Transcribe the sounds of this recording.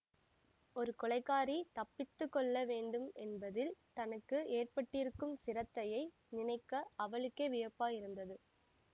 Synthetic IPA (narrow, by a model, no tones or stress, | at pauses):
ɔɾɯkɔɭɐɪkːaːɾit̪ɐpːɪt̪ːɯkːɔɭːɐʋeːɳɖɯmɛnbɐðɪlt̪ɐnɐkːɯeːrpɐʈːɪɾɯkːɯmsɪɾɐt̪ːɐjɐɪ | nɪnɐɪkːɐɐʋɐɭɯkːɐʋɪjɐpːaːjɪɾɯnd̪ɐðɯ